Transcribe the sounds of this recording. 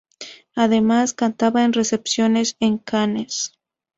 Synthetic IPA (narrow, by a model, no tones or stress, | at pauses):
aðe̞maskant̪aβaenre̞se̞psjo̞ne̞seŋkanes